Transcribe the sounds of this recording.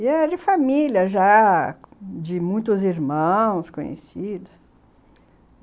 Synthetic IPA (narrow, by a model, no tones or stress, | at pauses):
ɛd͡ʒɪfamiljɐʒa | d͡ʒɪmũj̃t̪ʊziɾmɐ̃w̃skõ̰ɲḛsid̪ɐ